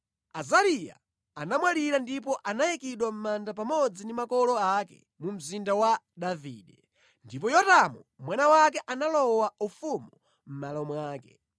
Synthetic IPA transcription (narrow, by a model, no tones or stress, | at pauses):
azaɾija̰ | anamwaliɾandip̬ɔʔanajikiɗwam̩mandapamɔd͡zindimakɔlɔakɛ̰ | mum̩zindawa | ɗavḭːɗɛ | ndipɔjɔtamumwanawakɛʔanalɔwaufumu | m̩malɔmwaːkɛ̰